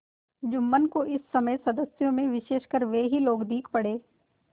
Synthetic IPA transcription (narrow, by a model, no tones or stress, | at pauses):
d͡ʒʊmːənkoʔɪsːɐməjsɐd̪əsjõmẽʋɪʃeːʃkəɾʋeɦiloːɡd̪iːkʰpɐɽeː